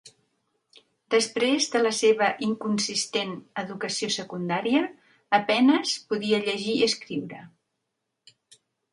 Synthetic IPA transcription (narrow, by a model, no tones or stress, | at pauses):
d̪əspɾezðələseβəʔiŋkunsist̪enəðukəsiosəkund̪aɾiəː | pɛnəspuðiəʎəʒiəskɾiwɾə